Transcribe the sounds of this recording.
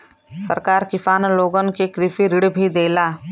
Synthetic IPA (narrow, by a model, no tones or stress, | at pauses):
sə̰ɾkaːɾkɪfaːnloːɡənkekɾifiɾɪɽbʱid̪eːlaː